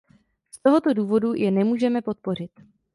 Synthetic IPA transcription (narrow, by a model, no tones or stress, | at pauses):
st̪o̞ɦo̞t̪o̞duːvo̞dujʔɛnɛmuːʒɛmɛpo̞t̪̚po̞r̝ɪt̪